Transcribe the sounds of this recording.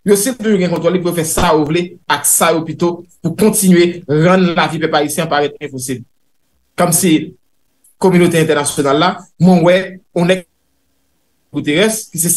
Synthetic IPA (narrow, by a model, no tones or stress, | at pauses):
josit̪̬uʒuɡɛ̃kɔ̃t̪ʁɔlipujofɛsajovleaksajopit̪opukɔ̃tt͡sinɥeɣãnllavipɛpaisjɛ̃paɣɛt̪ɛ̃posibl | kɔmsi | komynot̪eɛ̃t̪ɛʁnasjonalːamwɛ̃wɛõnɛk̚ | ɡut̪eɣɛskis̬e